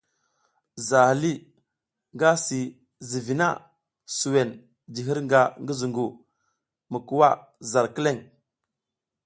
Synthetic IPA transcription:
za˨hli˦ | ŋɡa˦si˨ | zi˨vi˨na̰˦˨ | su˨we˨n | d͡ʒi˨ɦi˦ɾŋɡa˨ŋɡi˦zu˨ŋɡu˨ | mə˨ku˦wa˦za˨ɾki˦le˦˨ŋ

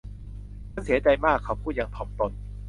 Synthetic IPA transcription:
a˧˥˨nsi˩˦ɐt͡ɕa˧jmaː˥˩kʰːa˨˩wpʰuː˥˩t̪̚jaː˧˩ŋpʰɔ˨˦mt̪o˧n

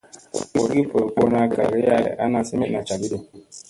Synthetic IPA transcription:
i˦o˨˦ɡi˦po˨ɾk͡po˦na˦ɡa̰˨ɾe˦ja̰˦˨ʔa˦na˨si˦me˦na˨t͡ʃa˨bi˦de˨

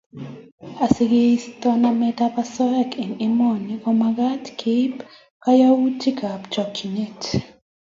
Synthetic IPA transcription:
a˨sɪ˨ɡest̪ɔ˦namɛ˦ta˦pa˦sɔ˦ɛ˦kɪ˨nɪ˦mɔ˨nikɔ˦maɡa˦tkʰe˦p | ka˦ja˦wu˦ti˦ka˨pt͡ʃɔ˨ki˨ne˦t

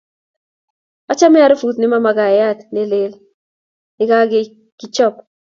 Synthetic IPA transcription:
a˦t͡ʃa˦mɪ˦a˦ɾɪ˦fu˨t̪nɪ˦ma˦ma˨ɡa˨ja˦˨t̪ne˦le˦l | nɪ˦ɡa˦ɡɪ˦ | ɡ̥ɪ˦t͡ʃɔ˦p

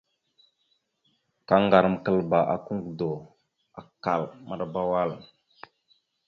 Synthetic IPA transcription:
ka˦ŋɡa˨ɾə˨mkə˨lba˨ʔa̰˨ku˦ŋɡdo˨ | a˨ka˨lma˨ɗa˦ba˦wa˦˨l

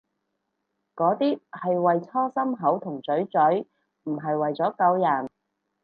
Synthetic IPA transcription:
kɔː˨˥t̪iː˥hɐ˨jwɐ˨jt͡sʰɔː˥sɐ˥mɦɐ˨˥wt̪ʰʊ˨˩ŋt͡sɵ˨˥ɥt͡sɵ˨˥ɥ | m̩˨˩ɦɐ˨jwɐ˨jt͡sɔː˨˥kɐ˨˧wjɐ˨˩n

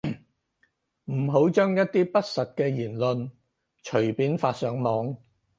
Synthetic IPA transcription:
m̩˨˩ɦo˨˥wt͡ʃœː˥ŋjɐ˥t̚t̪iː˥pɐ˥t̚sɐ˨t̚kɛː˧jiː˨˩nlɵ˧n | t͡ʃʰɵ˨˩piː˨˥nfaː˧t̚sœː˨˥ŋmɔː˨˧ŋ

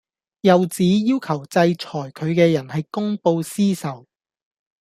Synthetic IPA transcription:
jɐ˨wt͡siː˨˥jiː˥wkʰɐ˨˩wt͡sɐ˧jt͡ʃʰɔː˨˩jkʰɵ˨˧ɥkɛː˧jɐ˨˩nɦɐ˨jkʊ˥ŋpo˧wsiː˥sɐ˨w

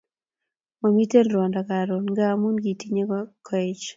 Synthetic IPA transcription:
ma˨mi˦te˦nɾwa˨nda˨ka˨ɾo˨nŋɡa˦mu˦nɡi˨ti˦ɲe˦ka˦kʰɔ˦ɛ˦t͡ʃ

